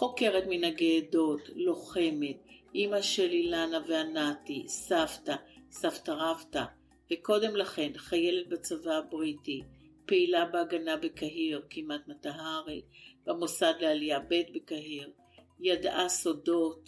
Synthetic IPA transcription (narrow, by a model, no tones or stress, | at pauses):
χo̞ke̞ʁetminaɡeːdo̞tlo̞χe̞me̞tʔimaʃelilanaveanatisavtasaftaʁavta | veko̞de̞mlaχe̞nχaje̞let̚bat͡savabʁiti | peilabeaɡanabekaɦiʁkimatmataɦaʁib̥amosad̪lealijabe̞tbekaɦiʁ | jadaso̞do̞t